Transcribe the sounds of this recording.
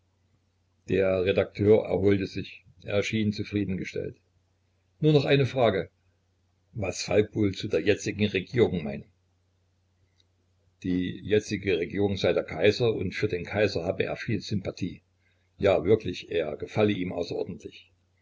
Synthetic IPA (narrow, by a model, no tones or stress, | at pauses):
d̥eːɐʁedak̚tʰøːɐʔɛ̰ɐɦoːltəzɪç | ʔḛːɐʃiːnt͡sufʁ̥iːdn̩ɡəʃtɛ̰lt | nuːɐnɔχʔaɪnəfʁ̥aːɡə | vasfalkv̥oːlt͡sudeːɐjɛt͡sɪɡŋ̩ʁeɡiːʁʊŋmaɪnə | d̥iːjɛt͡sɪɡəʁeɡiːʁʊŋzaɪdeːɐkʰaɪzɐʔʊ̰ntfyːɐdeːnkʰaɪzɐhaːbəʔḛːɐfiːlzʏmpatʰiː | jaːvɪɐklɪçʔeːɐɡ̥əfaləʔiːmʔa̰ʊsɐʔɔ̰ɐdn̩tʰlɪç